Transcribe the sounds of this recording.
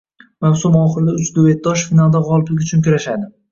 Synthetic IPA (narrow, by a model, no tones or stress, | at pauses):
mawsʊmɒχɨɾd̪ɪʊt͡ʃd̪ovet̪̚d̪ɒʃfinalˠd̪aʁɒlˠɪplɪkʲʊt͡ʃʰʊnkʲʊɾaʃad̪ɪ